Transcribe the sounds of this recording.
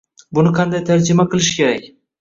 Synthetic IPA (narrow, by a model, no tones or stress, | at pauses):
bʊnɪqʰɑnd̪ajt̪ʰaɾd͡ʒɪmaqʰɨlˠɪʃkʲʰe̞ɾakʲ